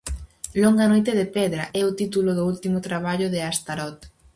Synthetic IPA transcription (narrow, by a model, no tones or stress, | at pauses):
lɔŋɡanojt̪eðɪpɛðɾaʔɛʊt̪it̪ulʊðʊult̪imʊt̪ɾaβ̞aʎʊðɪast̪aɾɔt̪